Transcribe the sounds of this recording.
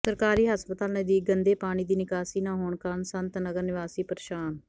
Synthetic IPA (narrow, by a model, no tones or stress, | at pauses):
səɾkaːɾiːɦəspət̪aːlnəd̪iːɡənd̪eːpaːɽ̃iːd̪iːnɪkaːsiːnãːɦoːɳkansənt̪nəɡəɾnɪʋaːsiːpəɾʃaːn